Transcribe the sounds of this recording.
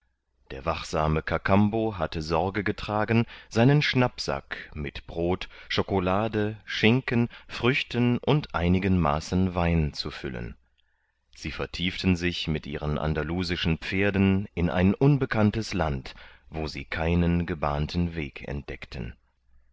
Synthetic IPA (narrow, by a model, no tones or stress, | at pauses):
d̥eːɐvaχz̥aːməkʰakʰamboɦatəzɔɐɡəɡətʁ̥aːɡn̩z̥aɪnənʃnapz̥a̰kmɪtb̥ʁoːtʃokolaːdəʃɪŋkənfʁ̥ʏçtənʔʊntʔaɪnɪɡənmaːsn̩vaɪnt͡sufʏ̰lə̰n | z̥iːfɛɐtʰiːftn̩zɪçmɪtʔḭːʁənʔa̰ndaluːzɪʃn̩p͡feːɐdn̩ʔɪnʔa̰ɪnʔʊnbəkʰantəslantv̥oːzḭːkʰaɪnənɡəba̰ːntʰn̩veːkʰɛ̰nt̚d̥ɛktʰən̩